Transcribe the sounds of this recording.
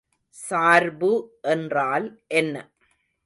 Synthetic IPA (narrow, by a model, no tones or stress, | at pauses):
saːɾbɯʔɛndraːlʔɛnːɐ̰